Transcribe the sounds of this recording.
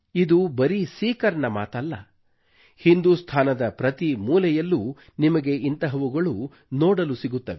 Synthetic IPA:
id̪ubɐɾisiːkɐɾɐɳɐmaːt̪ɐlːɐ | hind̪uːst̪ʰaːnɐd̪ɐpɾɐt̪imuːlɛjɐlːu | nimɐɡe̞int̪ɐɦɐʋuɡɐɭu | nɔːɽɐlusiɡut̪ːɐʋe

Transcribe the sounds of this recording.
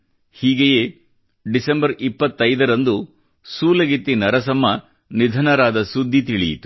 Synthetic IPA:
hiːɡejeː | ɖisɐmbɐɾipːɐt̪ːɐjd̪ɐɾɐnd̪u | suːlɐɡit̪ːinɐɾɐs̬ɐmːɐ | nid̪ʱɐnɐɾaːd̪ɐsud̪ʱːit̪iɭḭjḭt̪u̥

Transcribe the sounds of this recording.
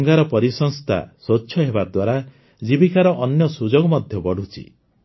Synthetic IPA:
ŋɡaɾɔpɔɾisɔŋst̪ʰa̰soːʃʰɔɦebad̪waɾa | d͡ʒibikʰaɾɔʔɔnjɔsud͡ʒɔɡɔmɔd̪ʱjɔbɔɽ̤ut͡ʃʰḭ

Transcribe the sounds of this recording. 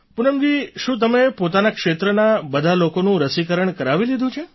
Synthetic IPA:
punəmɡiʃũt̪̬əmepot̪anakʃet̪ɾənabəd̪ʱalokonũɾəsikəɾəɳkəɾaʋilid̪ʱũt͡ʃʰe

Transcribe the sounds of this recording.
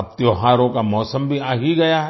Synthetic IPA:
ɐp̚t̪joːɦaːɾõkamɔːsə̃mbʱiaːɦiɡɐjaɦ

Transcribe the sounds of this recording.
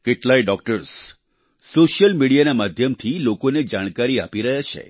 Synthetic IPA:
keʈlaiɖɔk̚ʈəɾs | soʃjəlmiɽijanamad̪ʱjəmt̪ʰilokoned͡ʒaɽ̃kaɾiapiɾəɦjat͡ʃʰḛ

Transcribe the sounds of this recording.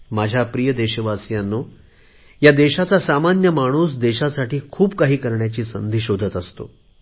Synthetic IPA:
mad͡ʑʱjapɾijəd̪eɕəʋasjanːo | jad̪eɕat͡sasamanjəmaɽ̃uːsd̪eɕasaʈiːkʰuːbkaɦiːkəɾɳjat͡ɕiːsənd̪ʱiɕod̪ʱət̪əst̪o̰

